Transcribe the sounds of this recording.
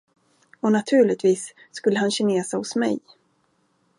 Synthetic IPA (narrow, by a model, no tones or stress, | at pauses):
ɔnat̪ʰʉ̟ːɭɪt̪viːsː | kɵlːəhanɕɪneːsahʊsmɛ̰j